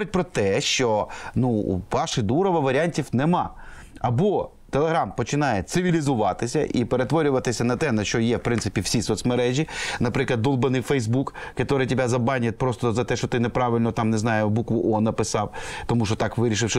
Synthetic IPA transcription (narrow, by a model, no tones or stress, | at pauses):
ɾɪt̚ʲpɾɔt̪ɛʃt͡ʃɔnṵʋɑʃɪd̪uɾɔʋɐʋɐɾʲianʲtʲiwnɛmɑ̰ | ɐbɔ | t̪elˠeɦɾɑmpɔt͡ʃɪnɑjɛt̪sɪʋʲilʲizʊʋɑt̪ɪsʲɐ̰ʔipeɾet̪ʋɔɾʲʊʋɐt̪ɪsʲɐnɐt̪ɛnɐʃt͡ʃɔjɛwpɾɪ̃nsɪ̥pʲiwsʲisɔt̪smɐɾɛʒʲinɐpɾɪklˠɐd̪ulˠbɐnɪjfɛjzbukːɐt̪ɔɾɪtʲɪbʲazɐbɑnʲɐt̪̚ʲpɾɔst̪ɔzɐt̪ɛʃt͡ʃɔt̪ɪnepɾɑʋɪlʲnɔt̪ɑmnɛznɑjʊbukʋʊʔɔnɐpɪsɑwt̪ɔmuʃɔt̪ɑkʋɪɾʲiʃ̬ɪwʃ